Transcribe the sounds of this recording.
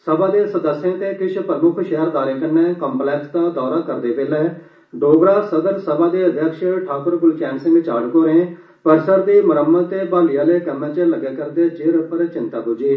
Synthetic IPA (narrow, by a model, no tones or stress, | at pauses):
səbaːd̪eːsəd̪əsːɪjãːt̪eːkɪt͡ʃʰpɾəmʊkʰʃɛɦəɾd̪aːɾẽːkəɾnɛ̃ːkəmplɛːksd̪aːd̪ɔːɾaːkəɾd̪eːbeːlɛː | ɖoːɡɾaːsəd̪əɾsəbaːd̪eːəd̪ʱjəkʃʈʰaːkəɾɡʊlt͡ʃɛːnsɪ̃ŋɡt͡ʃaːɖkoːɾẽː | pəɾsəɾd̪iːməɾəmːət̪t̪ːeːbaːlijãːleːkəmɛ̃ːt͡ʃələɡɛːkəɾd̪eːd͡ʒeːɾpəɾt͡ʃɪnt̪aːkʊd͡ʒiː